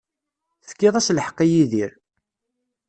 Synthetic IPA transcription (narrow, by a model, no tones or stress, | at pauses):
θə̥kːɪðˤæsləħə̥qːijiðiɾ